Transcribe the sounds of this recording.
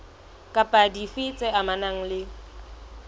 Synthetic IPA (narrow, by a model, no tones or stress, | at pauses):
kʼapʼadifɪt͡sʼɛʔamanaŋ̩lɪ